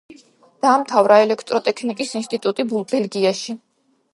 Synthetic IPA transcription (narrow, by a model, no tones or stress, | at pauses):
d̪̥aːmt̪ʰavɾaɛlɛkʰt̪ʼɾɔt̪ʼɛkʰnikʼisinst̪ʼit̪ʼut̪ʼibulˠpʰʼɛlɡiaʃi